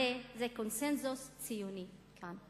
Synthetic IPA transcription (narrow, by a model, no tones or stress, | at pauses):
ezekonsɛnzust͡sijunikʰan